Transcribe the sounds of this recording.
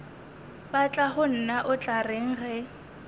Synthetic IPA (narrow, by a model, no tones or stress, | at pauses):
bat͡ɬʼaχʊn̩naʔʊt͡ɬʼareŋ̩χɛ